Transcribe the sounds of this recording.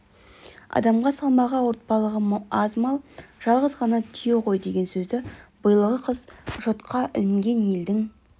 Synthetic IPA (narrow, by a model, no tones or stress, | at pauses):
ɑ̰d̪ɑmʁɑsɑlˠmɑʁɑwo̞ɾt̪̚pɑlˠəʁəɑzmɑlˠʒ̥ɑlˠʁəzʁɑnɑt̪ʰʏjeqʰo̞jd̪e̞ɡʲe̞nsɵzd̪ɪb̥əjəlˠəʁəqʰəz̥ʒot̪qʰɑʔɪ̰lɪŋɡʲe̞nje̞ld̪ɪŋ